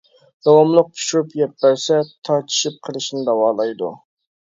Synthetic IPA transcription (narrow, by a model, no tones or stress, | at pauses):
d̪̥ɑwɑmlˠʊq̚pʰu̥ʃuɾupjɛpːæɾsɛt̪ʰɑɾt̪ʰi̥ʃip̚qʰəlˠɨʃnɪd̪ɑwɑːlˠɑjd̪ṵ